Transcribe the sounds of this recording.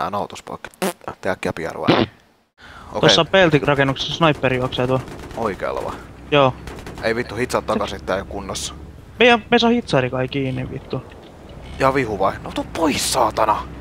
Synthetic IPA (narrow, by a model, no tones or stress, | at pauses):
æ̰nɑut̪uspɑ̰kːt̪eækːjæpiɑ̰rʋɑ̰ | o̰t̪osːɑpelt̪irɑkenːukse̥ssnɑipːerijuɑksɑt̪uɑoikḛːlːɑ̰ʋɑ̰joːeiʋit̪ːuhit̪sɑt̪t̪ːɑkɑsit̪ːæːjokunːɑsːɑ̥ | meijæmeisɑhit̪sɑrikɑikiːnːiʋʋḭt̪ːu | jɑʋihuʋɑinnout̪upoisːɑːt̪ɑnɑ